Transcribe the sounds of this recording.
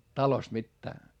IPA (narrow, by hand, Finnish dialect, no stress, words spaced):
tɑlost mitːæː